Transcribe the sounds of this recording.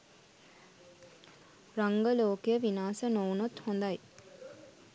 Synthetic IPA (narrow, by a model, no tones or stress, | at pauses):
raŋɡəloːkejəʋinaːsənoːnot̪hond̪aj